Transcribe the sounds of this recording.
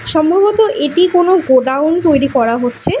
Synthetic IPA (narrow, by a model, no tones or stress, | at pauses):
ʃɔmbʱɔbot̪oʔeʈikonoɡoɖawnt̪ojɾikɔɾaɦotːɕʰe